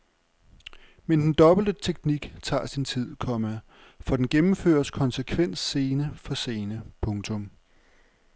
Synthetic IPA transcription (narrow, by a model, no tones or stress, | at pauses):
mend̥end̥ɒ̽b̥l̩d̥ət͡sʰeɡ̥̚niɡ̥t͡sʰɑ̰̈ːsint͡sʰið̰ˠkʰɒ̽mə | fɒ̽d̥enɡ̥emm̩fø̰ːɐskʰɒ̽nsəkʰʋen̰sːe̝ːnəfɒ̽se̝ːnəpʰɔ̽ŋt͡sʰɔ̽m